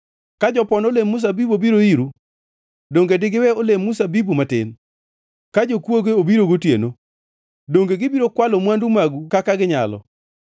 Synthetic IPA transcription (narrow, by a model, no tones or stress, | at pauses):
kad͡ʒɔpɔnolemːus̬abibobiɾoiɾu | doŋɡedɪɡɪwɛolemːusabibumatɪ̰n | kad͡ʒokwoɡeobiɾoɡotjḛno | doŋɡeɡɪbiɾokwalomwandumaɡukakaɡɪɲa̰lɔ̰